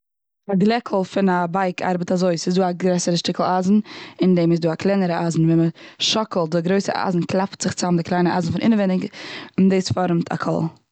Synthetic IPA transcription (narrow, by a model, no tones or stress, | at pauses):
aɡlˠɛkʰl̩ˠfɪnabaɪkʰa̰ɾbətazoɪsɪzduːaɡɾɛsəɾəʃtɪkl̩ˠaːzn̩ɪndeːmɪsduːaklˠɛnəɾəaːzn̩vɛnməʃɔkl̩ˠt̚dɪɡɾoɪsəʔa̰ːzn̩klˠaptz̥ɪχt͡samdɪklˠaɪnəʔaːzn̩fɪnʔɪ̰nəvɛnɪɡndeːsfɔɾmtʰa̰kʰɔ̰lˠ